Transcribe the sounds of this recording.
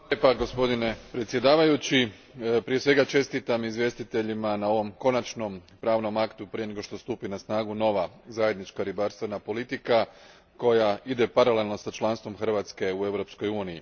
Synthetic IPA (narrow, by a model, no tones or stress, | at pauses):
epaɡo̞spo̞d̪ine̞pɾet̪sje̞d̪aːʋajut͡ɕi | pɾije̞sʋe̞ɡat͡ʃe̞st̪it̪amizʋje̞st̪it̪e̞ʎimanao̞ʋo̞mko̞nat͡ʃno̞mpɾaːʋno̞makt̪upɾijene̞ɡo̞ʃt̪o̞st̪uːpinasnaːɡuno̞ʋazaje̞d̪nit͡ʃkaɾibaɾst̪ʋe̞napo̞lit̪ika | ko̞jaid̪e̞paɾale̞lno̞sat͡ʃlˠanst̪ʋo̞mxr̩ʋaːt̪ske̞ue̞ʋɾo̞psko̞juːnijḭ